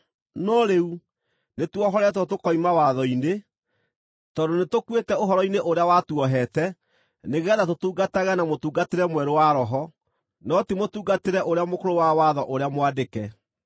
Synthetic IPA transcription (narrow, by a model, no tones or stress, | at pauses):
nɔɾeu | netwɔɦɔɾɛt̬wɔtokɔimawaðɔine | tɔdonetokwetɛoɦɔɾɔineʔoɾeawatuɔɦɛtɛ | neɣɛðatotuːɡataɣanamotuːɡateɾɛmwɛɾowaɾɔɦɔ | nɔtimotuːɡateɾɛʔoɾeamokoɾowawaðɔʔoɾeamwadekɛ